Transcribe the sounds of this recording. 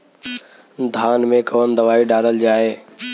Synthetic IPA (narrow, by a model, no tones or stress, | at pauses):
d̪ʱaːnmẽkɐʋənd̪ɐʋaːiɖaːləld͡ʑaːɦeː